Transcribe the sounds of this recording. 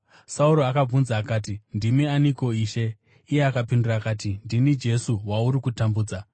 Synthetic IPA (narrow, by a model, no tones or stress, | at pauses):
sauɾoakab͡vunzaːkaːtindimianiko̞iːʃe̞ː | jeakapindurakatindinid͡ʒe̞suwauɾikutambuːd͡za